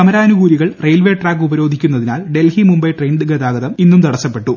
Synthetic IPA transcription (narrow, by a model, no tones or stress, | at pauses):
kɐmɐɾaːnuɡuːɾiɣɐɭrejlʋeːʈraːkːubɐɾo̞ːd̪ʱikʲːunːɐðinaːlɖe̞lhimumbɐjʈrejnɖɨɡɐd̪aːɡɐðɐminːumt̪ɐɽɐsːɐpːe̞ʈːu